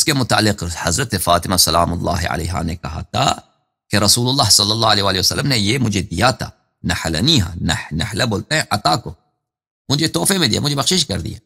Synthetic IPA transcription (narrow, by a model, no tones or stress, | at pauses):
skemʊt̪aʕalːɪqhɐzɾɐt̪efaːt̪ɪmasɐlaːmʊlˤːɑ̰ːɦɪʕa̰lḛːɦa̰ːnekɐɦa̰ːt̪ʰa̰ | keɾɐsuːlʊlːaːhsˤɐlːɐlˤːaːaleːwaːliwɐsɐ̰lːəmnejemʊd͡ʒed̪ɪjaːt̪ʰa̰ː | nɐħalɐ̰niɦa̰nɐħnɪħlaboːlt̪ẽʔɐt̪ˤaːko | mʊd͡ʒet̪oːfemẽd̪ija̰mʊ̃d͡ʒebɐxʃɪʃkɐɾd̪ḭja